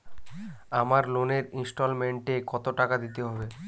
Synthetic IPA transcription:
amaɾloneɾinsʈolmeɳʈekɔt̪oʈakad̪it̪eɦɔbe

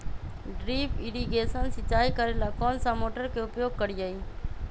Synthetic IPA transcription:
ɖɾiːpɪɾiɡesənsɪt͡ʃːaːikəɾelakɔːnsamoːʈəɾkeʊpjoːɡ̚kəɾid͡ʒaiː

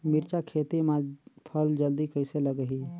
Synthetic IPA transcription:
miɾt͡ʃakʰet̪imãpʰəld͡ʒəld̪ikəɪseləɡəɦi

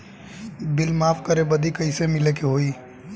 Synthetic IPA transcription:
bɪlmaːpʰkəɾebəd̪ikəɪsemɪlekeɦoi

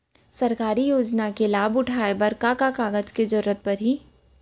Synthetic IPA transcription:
sɐɾkaːɾijoːd͡ʒnakelaːbʊʈʰaːebɐɾkaːkakaːɡəd͡ʒked͡ʒɐɾʊɾət̪̚pɐɾɦiː

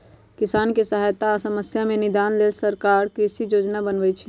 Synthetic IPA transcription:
kɪsaːnkesəɦaːjt̪asəməsjamẽnɪd̪aːnleːlsəɾkaːɾkɾɪsijoːd͡ʒnabənʋəjt͡ʃʰi

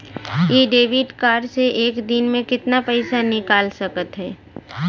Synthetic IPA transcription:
jeːɖeːʋɪɖkaːɾseʔeːkd̪ɪnmẽkɪt̪napɛɪsanɪkaːlsɐkət̪ɦɛː

